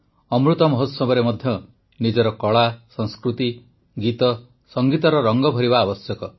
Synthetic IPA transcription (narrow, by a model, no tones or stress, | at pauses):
ɔmɾut̪ɔmɔɦot̪sɔbɔɾemɔd̪ʱjɔ | nid͡ʒɔɾɔkɔɭasɔŋ̃skɾut̪i | ɡit̪ɔ | sɔŋɡit̪ɔɾɔɾɔŋɡɔbʱɔɾibaːbɔsjɔkɔ